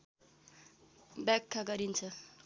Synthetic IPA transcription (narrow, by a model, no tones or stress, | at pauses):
bjakʰːaɡʌɾint͡sʰʌ